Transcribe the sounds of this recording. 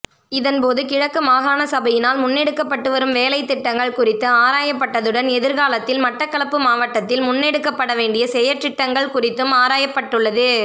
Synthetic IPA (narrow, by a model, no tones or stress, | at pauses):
ɪðɐnpoːðɯkɪɻɐkːɯmaːɣaːnɐsɐbɐjɪnaːlmʊnːɛɽɯkːɐpːɐʈːɯʋɐɾɯmʋeːlɐɪt̪ːɪʈːɐŋɡɐɭkʊrɪt̪ːɯaːɾaːjɐpːɐʈːɐðɯɽɐnɛðɪɾɣaːlɐt̪ːɪlmɐʈːɐkːɐɭɐpːɯmaːʋɐʈːɐt̪ːɪlmʊnːɛɽɯkːɐpːɐɽɐʋeːɳɖɪjɐsɛjɐɾt̪ɪʈːɐŋɡɐɭkʊrɪt̪ːɯmaːɾaːjɐpːɐʈːɯɭːɐðɯ